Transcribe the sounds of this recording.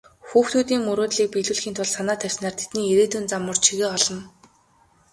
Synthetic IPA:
xuːxt̪ʰuːt̪iːŋmɵɾoːt̪ɮiːk̚piɮuːɮxiːnt̪ʰʊɮsanaːt̪ʰæw̥ʲsnaːrt̪ʰe̥t̪niːeɾeːt̪ʰunt͡samə̆rt͡ɕʰiɣeːɔɮɞ̆n

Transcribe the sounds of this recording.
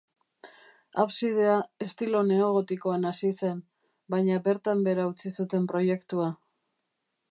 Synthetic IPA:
aβsið̞e̞ae̞st̪ilo̞ne̞oɣ̞o̞t̪iko̞anasise̞m | bajɲabe̞ɾt̪ambe̞ɾaut͡sisut̪e̞mpɾo̞je̞kt̪ua

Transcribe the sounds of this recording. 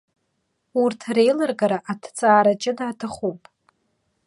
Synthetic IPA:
urtʰre̞jlarɡaɾaʔatʰt͡sʼaːɾat͡ʃʼɪdaːtʰaχupʼ

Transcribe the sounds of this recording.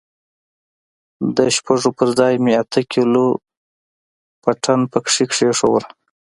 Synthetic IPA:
d̪əʃpaʐopəɾd͡zɑjmeat̪ʰəkʰilo | paʈʰanpəkʂikʂeʂowɾ

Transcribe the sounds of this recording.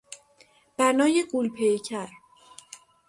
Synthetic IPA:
b̥ænɒːje̞ɡulpʰejcʰæɾ

